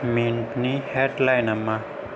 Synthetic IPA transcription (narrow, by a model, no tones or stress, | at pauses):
minpnihɛtlajnamːa